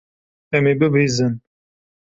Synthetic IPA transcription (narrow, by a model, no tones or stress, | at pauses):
ɛmeːbɨbeːzɨn